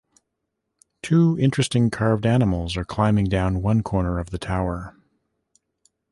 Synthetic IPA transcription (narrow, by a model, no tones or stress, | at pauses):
tʰuɪ̃nt͡ʃɹ̥ɨstɪ̃ŋkʰɑɹvdænəml̩ˠzə˞kʰl̥ãɪ̃mɪ̃ŋdãʊ̃nwʌ̃nkʰɔɹnə˞ʌvðɨtʰaʊə˞